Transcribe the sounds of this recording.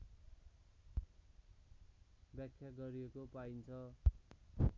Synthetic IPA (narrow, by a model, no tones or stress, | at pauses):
bjakʰjaɡʌɾiekopaint͡sʰʌ